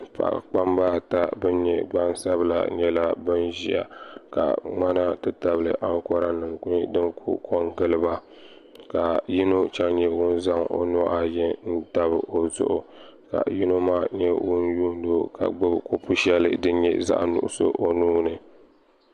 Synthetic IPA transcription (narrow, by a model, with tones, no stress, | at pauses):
pa̰˨ʔa̰˨k͡pa˦mbaː˦ta˦bɨ˦n˦ɲɛ˦ɡ͡ba˦n˦sa˦bɨ˦la̰˦˨ɲɛ˦la˦bɨ˦nʒi˦˨a̰˨ka̰˨ŋ͡ma˦na˦tɨ˦ta˦bɨ˨lɨ̰˨ʔa˦ŋ˦kɔ˦ɾa˦nɨ˨mkʊ˦ɲi˦dɨ˦ŋkʰṵ˦kʰo˦ŋɡɨ˦lɨ˦ba˦ | ka˨ji˦no˦t͡ʃa˦ŋɲɛ˦wʊ˦n˦za˦ŋo̰˦nɔ˦ʔa˨jɛ˦n̩˦ta˦bɨ˨ʔo˨zʊ̰˦ʔʊ˨ | ka̰˨ji˦no˦maː˦ɲɛ˦wʊ˦nju˦n˦do˦ka̰˨ɡ͡bɨ˦bko˦pu˦ʃɛ˦lɨ˦dɨ˦ɲɛ̰˦za̰˦ʔnṵ˨ʔʊ˦so̰˦ʔo˦nuː˦nɨ˨